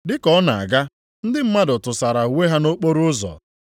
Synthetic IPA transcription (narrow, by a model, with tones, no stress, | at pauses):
dɪ˦kɔ˨˦na˨a̰˨ɡa˦ | n̩˦dɪ˦m̩˦ma˦dʊ˨tʊ˨sa˨ɾa˨we˦ɦa˦no˦k͡po˦ɾʊ˦zɔ̰˨